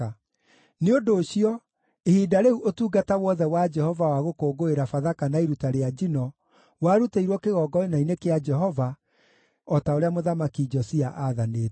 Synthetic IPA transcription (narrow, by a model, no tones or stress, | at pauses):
neondoːɕiɔ | ehiːdaɾeuʔotuːɡatawɔðɛwad͡ʒɛhɔvawaɣokoːɡoeɾafaðakanaeɾutaɾead͡ʒinɔ | waɾuteiɾwɔkeɣɔːɡɔenainekead͡ʒɛɦɔva | ɔtaoɾeamoðamakid͡ʒɔsiaʔaðaneːt